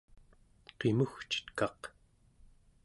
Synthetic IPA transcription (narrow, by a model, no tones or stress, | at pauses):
qe̞muxt͡ʃə̥t̪kɑq